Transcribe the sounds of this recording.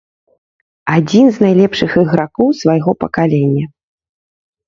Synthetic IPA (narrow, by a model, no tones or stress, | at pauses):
ad͡zʲinznajlʲɛpʂɨxɨɣɾakɔwsvajɣɔpɐkalʲɛnʲːɐ